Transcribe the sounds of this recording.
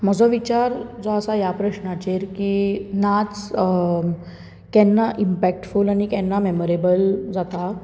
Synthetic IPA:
m̤əd͡zɔʋit͡ɕaɾd͡zɔəsajapɾəɕnat͡ɕeɾkinat͡s | kɛnːaʔimpɛk̚ʈfulaɽ̃ikɛnːameməɾebəld͡zat̪a

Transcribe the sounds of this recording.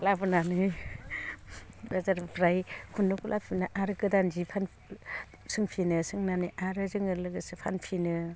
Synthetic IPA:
labɯnanɯ | ɾazaɾpɾajkʰunːɯkʰulʔapʰinaʔaɾɯkɯdanzipʰan | sɯŋpʰinɯsɯŋnanɯʔaɾɯzɯŋɯɾlɯɡɯsɯpʰanpʰinɯ

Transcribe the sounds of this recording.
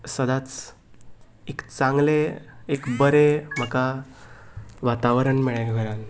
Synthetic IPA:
səd̪at͡s | ekt͡sãŋɡleekbəɾem̤əka | ʋat̪aʋəɾəɳmiɭaɡɡəɾal

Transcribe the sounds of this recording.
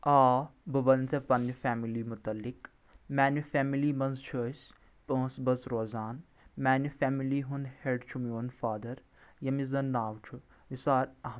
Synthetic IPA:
ʔaːbɐbɐnsepɐnifaːmilimʊt̪ɐlːɪk | mæːnufɛːmilimɐnzt͡ʃʰəːs | pə̃ːsbɐsɾoːzaːn | maːnifɛːmiliɦunheɖt͡ʃʰumioːnfaːd̪ɐɾ | jɐmizɐnːaːwt͡ʃʰu | ʋisaːɾɐɦm

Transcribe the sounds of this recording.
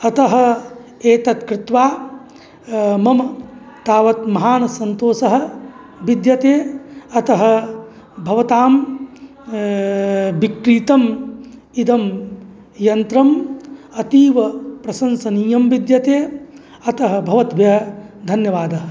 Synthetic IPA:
ɐt̪ɐɦɐ̆eːt̪ɐt̪kɾɪt̪ʋaː | mɐmɐ | t̪aːʋɐt̪mɐɦaːnɐsɐnt̪oːsɐɦɐ̆ | ʋid̪jɐt̪eːɐt̪ɐɦɐ̆ | bʱɐʋɐt̪aːm | bikɾiːt̪ɐm | id̪ɐm | jɐnt̪ɾɐmɐt̪iːʋɐpɾɐsɐnsɐniːjɐmʋid̪jɐt̪eː | ɐt̪ɐɦɐ̆bʱɐʋɐt̪ʋjɐɐd̪ʱɐnjɐʋaːd̪ɐɦɐ

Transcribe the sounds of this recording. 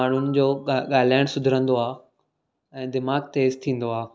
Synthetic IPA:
aːɳ̤ʊnɪ̆d͡ʑoːɠaːl̤aːɪ̃ɽ̃sʊd̪ʱɪɾə̃nd̪oaː | ɛ̃ːd̪ɪmaːɡ̚t̪eːst̪ʰĩːn̆d̪oaː

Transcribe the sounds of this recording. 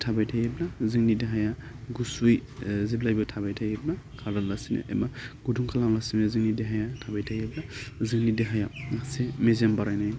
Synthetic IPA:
tʰabajtʰajeblaziŋnideɦajaɡusujziblajbatʰabajtʰajeblakʰaɾdanlasinḛʔḛmaɡ̥uduŋkʰalamlasineziŋnideɦajatʰabajtʰajeblaziŋnideɦajanasemezembaɾajnaj

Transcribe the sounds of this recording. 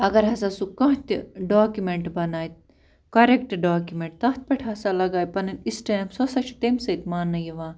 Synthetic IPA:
ɐɡɐɾɦɐsasukɐ̃ɦt̪ʲiɖaːkjumeɳʈbɐnaːjt̪ | kɐɾekʈɖaːkʲumeɳʈ̚t̪ɐt̪̚ʰpɐʈʰɐsalɐɡaːjpɐnɐnisʈeːnpsosɐt͡ʃʰi̥t̪emsɐt̪maːnːɐjiʋãː

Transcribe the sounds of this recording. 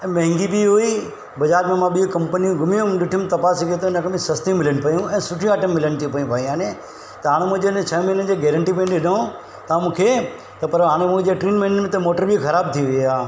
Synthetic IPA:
mɐ̃ɦɪ̃ŋɡibiɦui | bɐd͡ʑaːɾmẽmãɓiokɐ̃mpəniũɡʱʊmijũɗɪʈʰijʊmt̪ɐpaːsikiet̪ʰoɪnəkʰebɪ̃sɐst̪ij̃mɪlənɪ̆pɐjũɛ̃ːsʊʈʰij̃aːʈəmːɪləñɪt̪ʰipɐjũpaːjĩaːne | t̪ɐɦaːɽ̃emũɦɪ̃d͡ʑeɪnət͡ɕʰɐmɐnənɪ̆d͡ʑeːɡɛːɾəɳʈipɐnɗɪɗõ | t̪ɐãmũːkʰe | t̪ɐpɐɾɦaːɽ̃emũd͡ʑeʈɾiːnmẽnɖənmẽt̪ɐmoːʈəɾbixɐɾaːb̚t̪ʰiʋiaː

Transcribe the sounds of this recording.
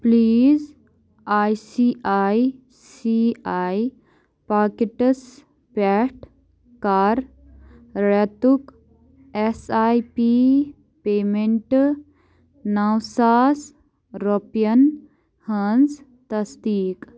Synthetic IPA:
pliːz | aːjsiːaːj | siaːj | paːkeʈəs | pɛːʈ | kaːɾ | ɾet̪uk | esaːjpiː | peːmẽɳʈ | nawsaːs | ɾopjɐn | hɐnz | t̪ɐsd̪iːk

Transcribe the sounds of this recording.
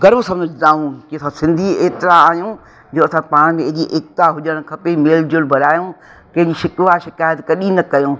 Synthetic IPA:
ɡɐɾmsɐ̃məd͡ʑd̪aːũkiɐsãsɪ̃nd̪ʱieːt̪ɾaaːɦijũ | d͡ʑoːɐsãpaːɽ̃mẽeɦd͡ʑiʔeːkt̪aɦʊʄəɽ̃kʰɐpemeːld͡ʑʊlbʱɐɾaːjũː | kɐ̃ɦɪ̃ɲd͡ʑiʃɪkʋaʃɪkaːjət̪kɐɗinɐkɐjõː

